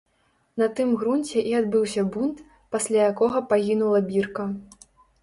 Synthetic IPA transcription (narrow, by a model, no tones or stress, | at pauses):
nɐt̪ɨmɣɾunʲt͡sʲɛʔiad̪bɨwsʲɐbunt̪ | pasʲlʲajakɔɣɐpaɣʲinulˠɐbʲirkɐ